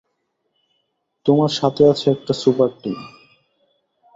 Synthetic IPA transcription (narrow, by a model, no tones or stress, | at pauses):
t̪omaɾʃat̪ʰeat͡ɕʰeɛk̚ʈasupaɾʈim